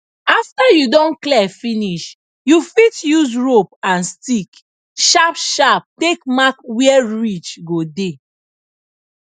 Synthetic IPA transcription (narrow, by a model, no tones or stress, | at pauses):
aftajudɔ̃nklɛfiniʃ | jufitjuzɹop̚ãnstik | ʃapʃap̚tekmakwiɛɹit͡ʃɡode